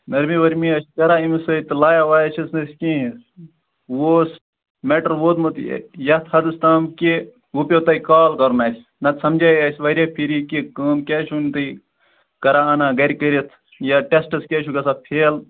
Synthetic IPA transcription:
nɐɾmiʋɐɾmiɐʃkɐɾaːimisɐit̪ɨlaːjaʋaːjɐt͡ʃʰɐsnɐsʲkĩɦ | ʋoːs | meʈɐɾʋoːt̪mɨt̪j̰jɐt̪ʰhɐd̪ɨst̪aːmke | upʲot̪ɐjkaːlkɐɾnaːsʲ | nɐt̪sɐmd͡ʒajɐsʲʋɐɾʲjaːpʰiɾikikəːmkʲaːt͡ʃʰunt̪ɨ | kɐɾanaːɡɐɾʲkəɾit̪ʰ | jaʈesʈɐskʲet͡ʃʰukɐsapʰeːl

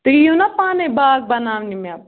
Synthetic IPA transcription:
t̪ɐijõnapaːnebaːɡ̚bɐnaːʋnima

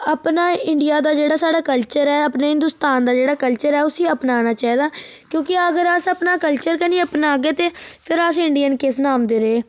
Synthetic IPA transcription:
əpnaːɪɳɖijaːd̪aːd͡ʒeːɽaːsaːɽaːkəlt͡ʃəɾɛːəpnaːɦɪnd̪ʊst̪aːnd̪aːd͡ʒeːɽaːkəlt͡ʃəɾɛːʊsiːəpnaːnaːt͡ʃaːiːd̪aːkjõːkɪəɡəɾəsəpnaːkəlt͡ʃəɾkəniːəpnaːɡeːt̪eːpʰɪɾəsɪɳɖijənkɪsnaːmd̪eːɾeː

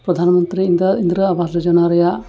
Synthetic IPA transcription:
pɾɐd̪ʱaːnɐmɐnt̪ɾiind̪ɐind̪ɾɐɐbʱaːsɐd͡ʒɐnaːɾɐja

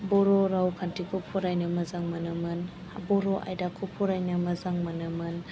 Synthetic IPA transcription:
bɔɾɔɾawkʰantʰikʰupʰuɾajnɯmɐzaŋmɐnɐmɯn | abɔɾɔʔa̰jdakʰupʰɔɾajnɯmɐzaŋmɐnamɯn

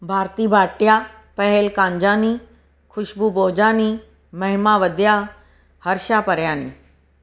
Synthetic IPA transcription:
bʱaːɾt̪iːbʱaːʈjaː | pɐɦɛlkãːɲd͡ʒaːni | kʰʊʃbʱuboːd͡ʑaːni | mɐɦɪmaːʋɐd̪ja | hɐɾʃaːpɐɾjaːnḭː

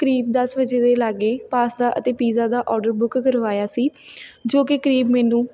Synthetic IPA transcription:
kəɾiːbd̪əsbəd͡ʒeːd̪eːlaːɡeːpaːsd̪aːʔət̪eːpiːzaːd̪aːʔɔːɾɖəɾbʊkkəɾʋaːjaːsiːd͡ʒoːkɪkəɾiːbmɛːnũː

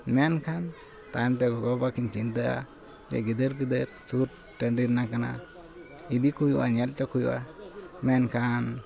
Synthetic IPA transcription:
mɛnkʰan | t̪ajant̪ɛɡɔɡɔbakint͡ʃint̪̬əʔa̰ | d͡ʒɛ̰ɡid̪əɾkid̪əɾsuɾ | ʈəɳɖiɾnakana̰ | id̪ikujuʔa̰ɲal̚t͡ʃɔkujuʔa̰mɛnkʰan

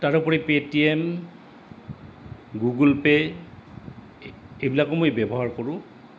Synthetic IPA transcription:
taɹʊpɔɹipetiɛm | ɡuɡulpɛ | ejbilakɔmojbɛbɔɦaɹkɔɹʊ̃

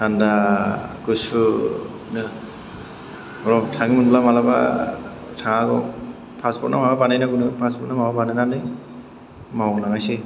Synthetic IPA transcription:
andaɡɯsu | nɯ | ɔɾɔtʰaŋɯmɯnblamalaba̰ | tʰaŋaɡɔ | pʰaspʰɔt̚na̰mawabanajnaɡunɯpʰaspʰɔt̚namawabanananɯj | mawɔɡɔlaŋajsi

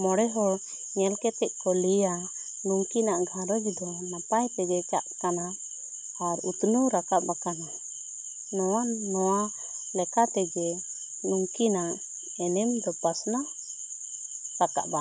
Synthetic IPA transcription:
mɔɽɛɦɔ | ɲɛlkɛt̪ɛʔ̚ˀkɔlija | nuŋkinaʔɡʱaɾɔɡid̪ɔnapajt̪ɛɡɛt͡ʃaʔkanaː | ɾut̪nuɾakaʔbakana | nɔwanɔwa | lɛkat̪ɛɡɛ | nuŋkinaʔʔ | ɛnɛmd̪ɔpasna | ɾaka̰ʔba

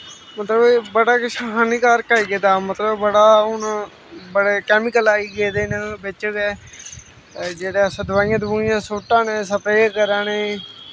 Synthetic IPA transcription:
mət̪ləbebəɽaːkɪʃʰaɦaːniːkaːɾkaːiɡeːd̪aːmət̪ləbbəɽaːʊn | bəɽeːkɛːmɪkəlaːiːɡeːd̪eːnəbɪt͡ʃɡɛː | d͡ʒeːɽeːəsãːd̪ʋaːjãːt̪buːɪjãːsoːʈːãːneːsəpɾeːkəɾãːneː

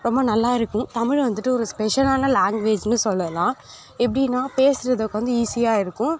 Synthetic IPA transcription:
ɾɔmbɐnɐlːaːɪɾɯkːʊ̃t̪ɐmɪɻʋɐnd̪ɯʈːɯɔɾɯspɛʂɐlaːnɐlaːŋɡʋeːd͡ʒnɯsɔlːɐlãː | ɛpːɐɽɪnːaːpeːsɪɾɐðɯkːɯʋɐnd̪ɯiːsijaːɪɾɯkːʊ̃

